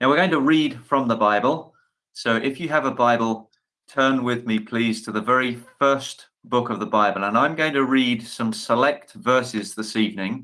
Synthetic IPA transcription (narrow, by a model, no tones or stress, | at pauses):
naʊwɪəɡoʊɪ̃ŋtʰəɹiːd̥fɹʌ̃mðəbaɪbəlˠ | soʊʔɪfjɨːvəbaɪbəlˠ | tʰɜ̃ːnwɪðmipʰl̥iːz̥tʰəðəvɛɹifɜˑ˞s | b̥ʊkəvðəbaɪbəl̩ˠə̃nãɪ̃mɡoʊɪ̃ŋtʰəɹiːdsʌ̃msəlɛk̚tvɜˑ˞sɪzðɪsivnɪ̃ŋ